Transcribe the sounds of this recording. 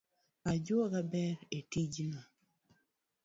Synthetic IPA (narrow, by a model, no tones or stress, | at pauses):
ad͡ʒokabɛɾetid͡ʒna